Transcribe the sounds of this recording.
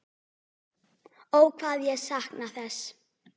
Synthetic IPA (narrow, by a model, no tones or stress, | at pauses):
owkʰvaːðjɛɣsahknaθɛs